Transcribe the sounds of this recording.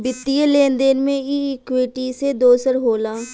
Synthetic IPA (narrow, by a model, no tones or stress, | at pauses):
bɪt̪ːijeleːnd̪eːnmẽiɪkweːʈised̪oːsəɾɦoːlaː